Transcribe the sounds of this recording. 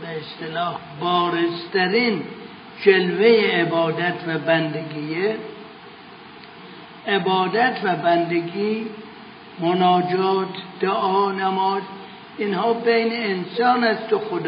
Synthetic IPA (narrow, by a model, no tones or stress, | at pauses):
beest̪elɒːh | bɒːɾest̪æɾiːn | d͡ʒelvejeːbɒːd̪æt̪ʰvæbænd̪eɡiːe | ebɒːd̪æt̪ʰvæbænd̪eɡiː | monɒːd͡ʒɒːt̪d̪̥eʔɒːnæmɒːz | inhɒːbejneːnsɒːnæst̪oxod̪